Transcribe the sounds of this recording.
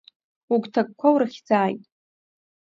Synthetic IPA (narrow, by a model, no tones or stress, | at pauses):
ukʼtʰak̚ʼkʷʰawɾaχʲd͡zaːjtʼ